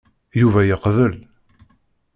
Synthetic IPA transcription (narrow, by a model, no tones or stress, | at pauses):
juvæjəqvəl